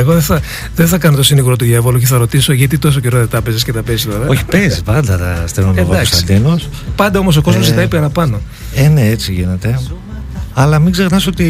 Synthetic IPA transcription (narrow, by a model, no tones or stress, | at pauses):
eɣoðeθɐ | ðeθɐkɐnot̪o̞siniɣɾot̪uʝevoluc̬eθɐɾo̞t̪isoʝɐt̪̬it̪o̞s̬o̞ceɾoðet̪ɾɐpezescet̪ɐpezist̪o̞ɾɐoçi̥pezispɐnd̪ɐt̪ɐ̰st̪eɾnoed̪ɐkost̪ɐid̪inos | pɐnd̪ɐo̞mo̞s̬o̞ko̞zmozit̪ɐipeɾɐpɐno̞ | eneet͡siʝine̞t̪e̞ | ɐlɐmiɡze̞xnɐsot̪i